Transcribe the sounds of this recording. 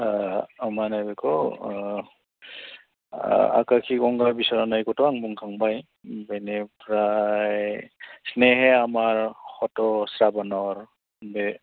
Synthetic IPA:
aamanajbekʰɔ | a̰kakʰikɔŋɡabisaɾanajkɔtɔaŋbuŋkʰaŋbaj | benepɾajjsneɦeamaɾhɔtɔsɾabanɔɾ | be

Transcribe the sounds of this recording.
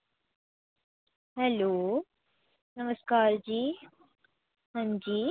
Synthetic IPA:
ɦɛloː | nəməskaːɾd͡ʑiː | hɐ̃nd͡ʒiː

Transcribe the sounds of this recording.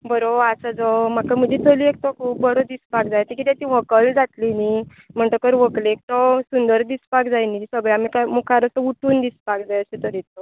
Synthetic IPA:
bəɾoasad͡zɔm̤akam̤əɲd͡ʑit̪ʰəliek̚t̪ɔkʰuːp̚bəɾod̪ispakd͡zajt̪ikit̪et̪ĩʋ̤əkəld͡zat̪lini | m̤əɳt̪əkəɾʋəklek̚t̪ɔsund̪əɾd̪ispakd͡zajnisəɡɭamikamukʰaɾəsəuʈuːnd̪ispak̚d͡zajəset̪əɾit̪ɔ

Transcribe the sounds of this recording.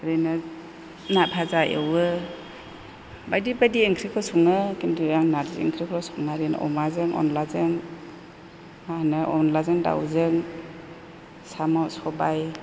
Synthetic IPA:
ɾenɯ | napʰazaʔḛwɯ | bajdibajdiːŋkʰɾikʰɔsɔŋɯkindiaŋnaɾzḭḭŋkʰɾikʰɾɔsɔŋaɾena̰ʔɔ̰mazɯŋɔ̰nlazɯŋ | anɯʔɔnlazɯŋda̰wzɯŋ | samawsɔbaj

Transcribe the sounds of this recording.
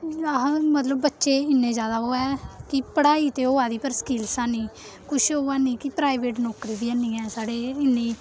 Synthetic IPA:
mət̪ləbːətːʃeːɪnːẽːd͡ʒjaːd̪aːɦoːɛːkɪpəɽaːiːt̪eːoːaːd̪iːpəɾsə̥kiːlsãːnĩː | kʊʃoːaːniːkipɾaːiʋeːʈnɔːkɾiːd̪iːənːĩːɛːsaːɽeːɪnːiː

